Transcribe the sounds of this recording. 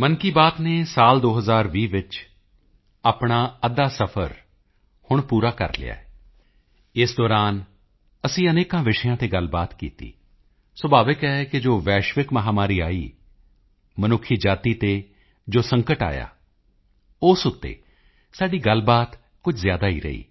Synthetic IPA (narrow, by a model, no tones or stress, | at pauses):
mənkiːbaːt̪neːsaːld̪oːɦəzaːɾʋiːʋɪt͡ʃ | aːpɳaːəd̪aːsəpʰəɾ | hʊɳpuːɾaːkə̰ɾlɪ̰ja̰ːɛ | ɪsd̪ɔːɾaːn | əsĩːəneːkãːʋɪʃəjãːt̪eːɡəlbaːt̪kḭːt̪ḭː | səbaːʋəkɛːkɪd͡ʒoːʋɛːʃʋɪkməɦaːmaːɾiːa̰ːiː | mənʊkʰiːd͡ʒaːt̪iːt̪eː | d͡ʒoːsə̃ŋkəʈa̰ːja̰ː | ʊsʊt̪ːḛː | saːɖiːɡəlbaːt̪ | kʊd͡ʒʰzjaːd̪aːḭːɾə̰ḭː